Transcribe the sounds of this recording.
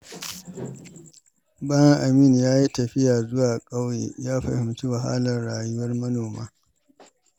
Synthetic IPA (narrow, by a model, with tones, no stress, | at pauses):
baː˦jɐ˦ŋʔa˨miː˦˨njaː˦ji˦tɐ˨ɸɪ˦jaː˨zʊ˦waː˨kʼa˦wjḛː˨jaː˦ɸɐ˨hɪ˨mt͡ʃu˦wa˨ɦa̰ː˦lɐ˨rɽaː˨jʊ˦wɐ˦rmɐ˦noː˨ma̰ː˦